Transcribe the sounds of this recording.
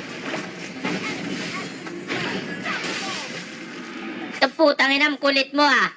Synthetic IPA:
t̪əpːut̪aŋinamkulɪt̪̚moa

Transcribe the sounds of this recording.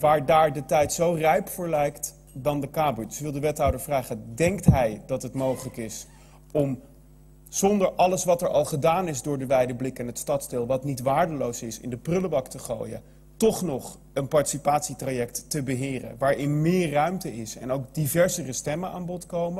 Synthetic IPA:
ʋaːɹdaːɹdətɛjtsowrɛjpfʊːɹlɛjkt | dɑndəkaːbudsʋɪlˠdəʋɛtɦɑwdəɹvraːχədɛŋktɦɛjdɑtɦətmowχələkɪs | ɔm | z̥ɔndəɹʔɑləsʋɑtɛɹɑlˠχədaːnɪzdʊːɹdəʋɛjdəblɪkɛnɦətstɑtzdɪːlˠʋɑtnitʋaːɹdəlowsɪsɪ̰ndəprʏləbɑktəχo̰ːjə̰ | tɔχnɔχ | ənpɑɹti̥sipaːtsitrajɛk̚tːəbəɦɪːrə̰ʋaːɹɪnmɪːɹːœɥmtəɪsɛ̰nowkdivɛɹzərəstɛməna̰ːnbɔtkowmə

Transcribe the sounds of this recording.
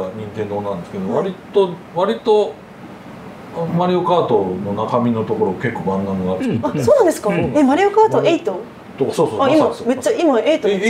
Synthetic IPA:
ɲ̟ĩnt̪end̪onãnd̪e̞sɨ̥ke̞d̪oβaɾʲit̪o | βaɾʲit̪o̞ | maɾʲio̞kaːt̪o̞no̞nakamʲino̞t̪o̞ko̞ɾo̞ɡake̞kːoːbãnɡ̪ãŋɡaɾeasoːnãnd̪esɨ̥kaemaɾʲio̞kaːt̪oeit̪o | t̪osoːsoaimame̞t͡ɕːaimae̞it̪o

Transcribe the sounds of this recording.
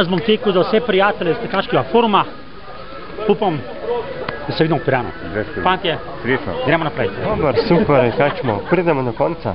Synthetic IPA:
azbɔmt̪eːkuzawsɛpɾijaːt̪ɛlʲɛst̪ɛkaʃkɛɡafoɾma | upam | d̪ɐsɛʋid̪mɔpiɾaːnṵ | ɾɛspant̪jɛ | sɾesa̰ɡɾɛːmɔnapɾɛjtd̪obəɾsupɛɾkat͡ʃmɔpɾiːd̪ɛmɔd̪ɔkɔnt̪sa̰

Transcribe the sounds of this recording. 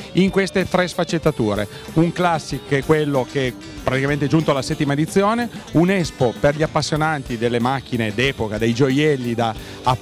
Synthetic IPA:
iŋkwest̪et̪ɾɛsfat͡ʃːet̪ːat̪uːɾḛ | uŋklasːikkːɛkːwelːokeɛ | pɾat̪ikament̪ed͡ʒunt̪oalasɛt̪ːimaed̪it̪sːjoːneunɛspoperʎiapːasːjonant̪id̪elːemak̟ːined̪ɛːpokad̪ejd͡ʒojɛlːid̪aː

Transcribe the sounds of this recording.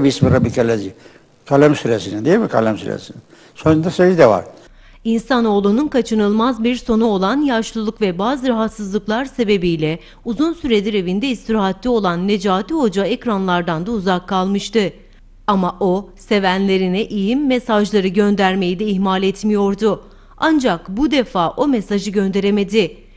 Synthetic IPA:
biismiɾabikʰalʲezi | kʰalʲɛmsyɾesinid̪ijɛmikʰalʲɛmsy̰ɾḛsini | sønd̪ɛsøjid̪ɛva̰ɾ̥ | insano̞ːlˠununkʰat͡ʃʰɯnɯlˠmazbiɾso̞nuo̞lˠanjaʃlˠulˠukvɛbaːzɯɾaɦat̪sɯzlˠɯklˠaɾse̞be̞bijlʲɛ | uzunsyɾe̞d̪iɾe̞vind̪ɛist̪ɾaɦat̪lʲio̞lˠanːe̞d͡ʒaːt̪ʰiɦo̞d͡ʒaecɾanlˠaɾd̪and̪auzakʰːalˠmɯʃt̪ɯ | amaʔo̞se̞vænlʲe̞ɾinɛʔijimːesaʒlˠaɾɯɟø̞nd̪æɾme̞jid̪ɛiçmalʲɛt̪mijo̞ɾd̪ʊ | and͡ʒakbud̪e̞faːʔo̞mesaʒɯɟø̞nd̪e̞ɾe̞me̞d̪ɪ

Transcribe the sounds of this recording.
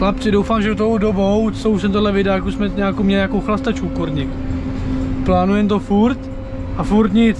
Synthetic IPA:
lapt͡sɪdowfaːmʒɛdot̪oodobowt͡sousɛmt̪odlɛvɪdaːjakusmɛɲaːkomɲɛlɪɲakowxlast̪at͡ʃkukoɾɲɪk | plaːnujɛmt̪o̞fuɾt̪ | ʔafuɾt̪ɲɪt͡s

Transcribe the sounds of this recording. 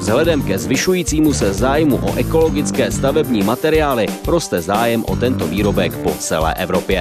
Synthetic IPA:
vzɦlɛdɛmkɛzvɪʃujiːt͡siːmusɛzaːjmuʔo̞̰ʔɛko̞lo̞ɡɪt͡skɛːst̪avɛbɲiːmat̪ɛɾɪaːlɪɾo̞st̪ɛzaːjɛmʔo̞̰t̪ɛnt̪o̞viːɾo̞bɛkpo̞t͡sɛ̰lɛ̰ːʔɛvɾo̞pjɛ

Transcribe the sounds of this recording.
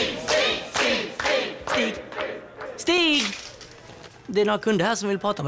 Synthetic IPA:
sst̪ːst̪iːɡ | st̪iːɡ | d̪ɛɛɾnoːɾakʰɵnd̪əɾhæːʂɔmvɪlpʰɾɑːt̪aɔm

